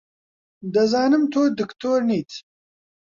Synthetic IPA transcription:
d̪ɐzɑːnɨmt̪ʰoːd̪ɪkt̪ʰoːɾniːt̪

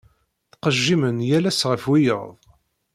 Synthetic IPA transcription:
θqəʒːimənjælæsʁəfwijə̰ɾðˤ

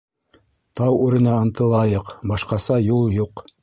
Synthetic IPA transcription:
t̪ɑwʉɾɘ̆næɑ̆nt̪ɤ̆lˠɑjɤqbɑʃqɑsɑjulˠjuq

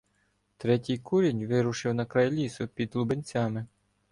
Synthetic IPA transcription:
t̪ɾɛtʲijkuɾʲinʲʋɪɾʊʃɪwnɐkɾɐjlʲisʊpʲid̪lˠubɪnʲt͡sʲamɪ

